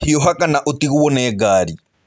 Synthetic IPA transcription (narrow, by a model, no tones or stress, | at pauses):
hijɔɦakanaʔot̪iɣuwɔnɛːɡaːɾi